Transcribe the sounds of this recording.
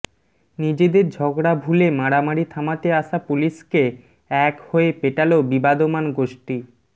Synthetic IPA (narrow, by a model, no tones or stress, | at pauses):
nid͡ʑed̪eɾd͡ʑʱɔɡɽabʱulemaɽamaɽit̪ʰamat̪eaʃapuliʃke | ɛkhoepeʈalobibad̪omanɡoʃʈi